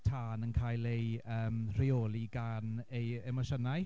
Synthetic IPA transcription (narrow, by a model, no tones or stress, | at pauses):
tʰaːnənkʰaːjlejəːmr̥ɪoːlˠiɡanejɛmɔʃənaj